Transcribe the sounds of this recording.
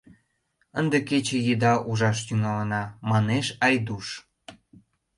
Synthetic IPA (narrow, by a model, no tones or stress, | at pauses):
ənd̪eket͡ɕĕjəd̪ɑʔuʒɑʃt̪yŋɑlənɑmɑneʃɑjd̪uʃ